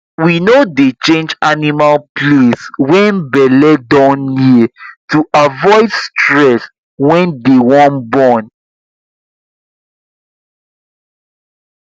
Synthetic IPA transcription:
winodet͡ʃẽnd͡ʒanimalpleswɛ̃nbɛlɛdɔ̃nːituʔavɔɪdstɹɛs | wɛ̃ndewɔ̃nbɔ̃n

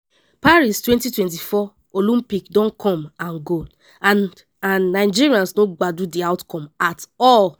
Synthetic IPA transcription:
paɹistwɛ̃ntitwɛ̃nt̬ifɔ | olĩmpikdɔ̃nkʰɔ̃mãnɡo | ãnːaɪd͡ʒiɹiãnsnoɡ͡badudiaʊtkɔ̃matɔl

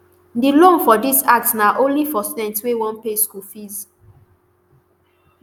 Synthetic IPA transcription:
dilõnfɔdisak̚tsnaʔõnlifɔstɛ̃ntswewɔ̃npeskufiz

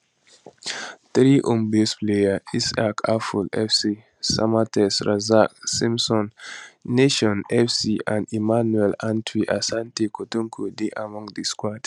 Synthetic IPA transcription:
t̪ɾiʔõmbesplejaisakʰafulɛfsi | sa̰matɛsɾazak̚sĩmsɔ̃nː | eʃɔ̃nɛfsiã̰ndimanwɛlãntʰwiʔasãntekotũŋkʰodeʔamɔ̃ŋdiskwat

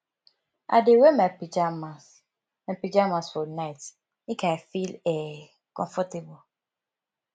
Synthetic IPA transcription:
ʔa̰dewemɛpid͡ʒamas | mɛ̃pid͡ʒamasfɔnaɪt | ĩkʰaafilɛ | kɔ̰̃ɱfɔtebʊ

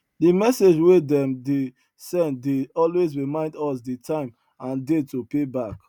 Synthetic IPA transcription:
dimɛsed͡ʒwedɛ̃mde | sɛ̃ntdeɔlwezɹimãɪ̃ndɔsditʰãɪ̃m | ãndetopebak

